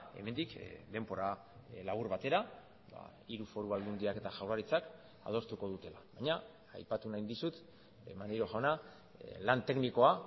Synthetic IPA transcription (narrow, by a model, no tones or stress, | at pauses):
e̞̰me̞nd̪ikd̪e̞mbo̞ɾa | laβuɾβat̪e̞ɾa | ba̰ | iɾufo̞ɾuβald̪und̪iake̞t̪aʝawraɾit͡sak | a̰ð̞o̞st̪uko̞ð̞ut̪e̞laβajɲa | a̰jpat̪unaijnd̪isut̪ | ḛmaniɾo̞ʝaona | lant̪e̞kniko̞a